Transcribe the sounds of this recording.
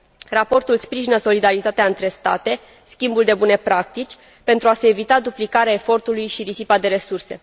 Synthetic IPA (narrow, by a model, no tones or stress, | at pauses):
rapo̞rt̪ulspɾiʒinəso̞lid̪aɾit̪at̪eaɨnt̪ɾe̞st̪a̰t̪e̞ | skʲimbuld̪e̞bune̞pɾak̚t̪it͡ʃʲ | pe̞nt̪ɾuase̞ːvit̪ad̪uplikaɾeae̞fo̞rt̪ulujʃiɾisipad̪e̞ɾe̞surse̞̰